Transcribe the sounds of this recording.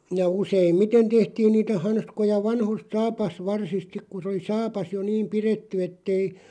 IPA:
jɑ useimːiten tehtiːn niːtæ hɑnskojɑ ʋɑnhost sɑːpɑsʋɑrsist sik ku sĕ oli sɑːpɑs jo niːm piretːy etːei

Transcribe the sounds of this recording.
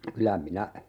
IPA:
kylæ minæ

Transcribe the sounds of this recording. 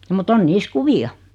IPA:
mut on niːs kuʋiɑ

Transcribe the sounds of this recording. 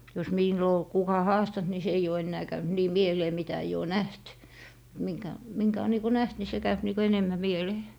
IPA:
jos miˑlːo ol kukɑ hɑːstɑnt ni se eij oː enːæː kæynt niː mieleː mitæ eij oː næht miŋkæ miŋkæ o niːko næht ni se kæyp niːko enemːæ mieleː

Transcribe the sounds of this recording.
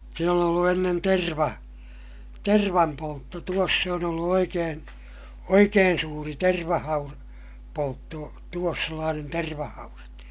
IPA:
siːn on olːu enːen terʋɑ terʋɑmpoltːo tuos se on olːu oikeːn̞ oikeːn suːri terʋɑhɑur poltːo tuos selːɑːnen terʋɑhɑurɑt

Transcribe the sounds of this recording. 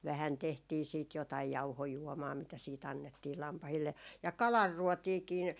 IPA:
ʋæhæn tehtiː siːt jotɑij jɑuhojuɔmɑː mitæ siːt ɑnːetːiː lɑmpɑhilːe jɑ kɑlɑrːuotiːkiːn

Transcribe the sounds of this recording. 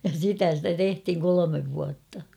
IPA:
jɑ sitæ stæ tehthiŋ kolomeʋ ʋuɑtːɑ

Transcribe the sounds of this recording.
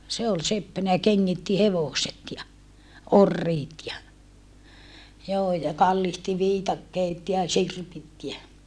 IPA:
se ol sepːænæ jɑ keŋːitːi heʋoset jɑ orːiːt jɑ joː jɑ kɑlːihti ʋiːtɑkːeːt jɑ sirpit jæ

